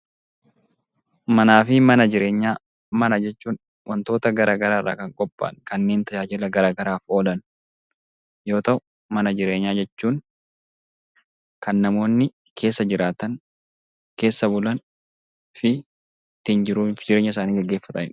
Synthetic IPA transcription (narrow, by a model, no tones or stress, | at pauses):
mɐnaːfɪmɐnɐd͡ʒɪɾe̞ːɲːaː | mɐnɐd͡ʒɛt͡ʃːuːn | wʔɐnt̪o̞ːt̪ɐɡɐɾʔaːɡɐɾaːrʔa̰ːkɐŋkʼɔpʼːa̰ːnkɐnːe̞ːnt̪ɐjaːd͡ʒɛlɐɡɐɾaːɡɐɾaːfo̞ːlɐn | jo̞ːt̪ɐʔʊ | mɐnɐd͡ʒɪɾe̞ːɲːaːd͡ʒɛt͡ʃːuːŋ | kɐnːɐmo̞ːnːɪ | kʰe̞ːsːɐd͡ʒɪɾaːt̪ɐŋ | ke̞ːsːɐbʊlɐn | fɪ | t̪ːind͡ʒɪɾuːfd͡ʒɪɾe̞ːɲːɐɪs̬aːniːɡɛɡːe̞ːfːɐt̪ɐ̰ɪn